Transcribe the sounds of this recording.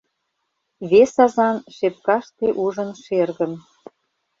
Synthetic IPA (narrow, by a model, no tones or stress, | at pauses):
βesɑzɑnʃep̚kɑʃt̪eʔuʒə̆nʃerɣə̆n